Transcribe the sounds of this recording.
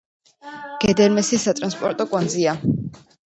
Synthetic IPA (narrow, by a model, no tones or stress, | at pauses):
ɡ̥ɛd̪ɛɾmɛsisat̪ʼɾanspʼɔɾt̪ʼɔkʼwand̪zia